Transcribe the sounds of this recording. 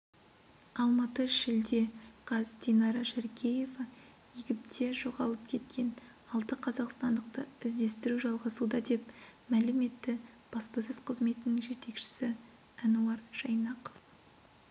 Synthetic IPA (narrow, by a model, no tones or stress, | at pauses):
ɑlˠmɑt̪əʃɪld̪e̞qʰɑzt̪ʲenɑɾɑʃæɾkʲʰeje̞vɑ | jiɡʲɪp̚t̪ʰe̞ʒo̞ʁɑlˠəp̚kʲʰe̞t̪kʲʰe̞n | ɑlˠt̪əqʰɑzɑqst̪ɑnd̪əq̚t̪əɪzd̪e̞st̪ɪɾuʒɑlˠʁɑsud̪ɑd̪e̞pmælɪme̞t̪ːɪ | b̥ɑspɑsʏz̥qʰəzme̞t̪ɪnɪŋʒe̞t̪e̞kʃɪ̥sɪ | ɑnuɑrʒɑjnɑqo̥f